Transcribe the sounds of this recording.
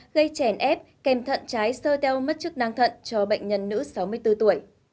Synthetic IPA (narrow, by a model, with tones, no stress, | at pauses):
ɣə˧jt͡ɕɛ˧˩nʔɛ˦˥p̚kɛ˨˩mt̪ʰə̰˧˨nt͡ɕaː˨˦jsəː˧t̪ɛ˧wmə˦˥t̚t͡ɕɨ˦˥k̚naː˧ŋt̪ʰə̰˧˨nt͡ɕɔ˧ɓə̰˧˨jŋ̟ɲə˧nːɨ̰˧˥sa˨˦wmɨ˧əjt̪ɨ˧t̪u˧˩əj